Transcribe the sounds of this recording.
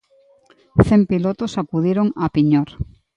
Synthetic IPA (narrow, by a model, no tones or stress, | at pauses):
θempilot̪osakuðiɾoŋapiɲoɾ